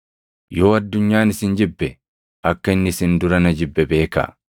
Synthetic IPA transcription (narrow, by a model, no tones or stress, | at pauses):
jo̞ːɐd̪ːʊɲːaːnɪsɪnd͡ʒɪbːɛ | ʔɐkːɐɪnːɪɪsɪnd̪ʊɾɐnɐd͡ʒɪbːɛbe̞ːkɐ̰